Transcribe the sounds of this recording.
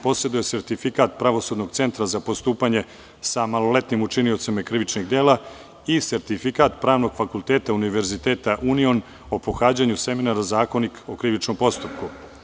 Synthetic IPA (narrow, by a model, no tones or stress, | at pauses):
po̞sjed̪uje̞se̞ɾt̪ifikaːt̪pɾaʋo̞sud̪no̞ɡt̪se̞nt̪ɾazapost̪uːpaɲe̞ | samalo̞le̞t̪nimut͡ʃinio̞t̪simekɾiʋit͡ʃniɡd̪e̞ːla | ise̞ɾt̪ifikaːt̪pɾaːʋno̞ɡ̥fakulˠt̪eːt̪auniʋe̞ɾzit̪eːt̪aʔunio̞n | o̞po̞xaːd͡ʑaɲuse̞minaɾazaːko̞niko̞kɾiʋit͡ʃno̞mpo̞st̪up̚ku